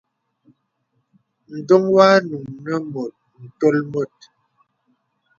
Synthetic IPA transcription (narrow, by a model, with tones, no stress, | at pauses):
n̩˨do˦ŋwa˦nu˨ŋnə˦mo˨t̚n̩˨to˦lmo˦˨t̚